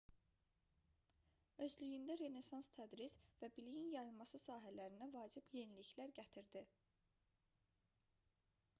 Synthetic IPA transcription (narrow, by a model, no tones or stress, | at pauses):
ø̞zlyjynd̪æɾe̞ne̞sɑnst̪ʰæd̪ɾizvæbilijinjɑjlˠmɑsɯsɑːɦælæɾind̪ævɑːd͡ʒibje̞niliçlæɾɟæt̪ʰiɾd̪i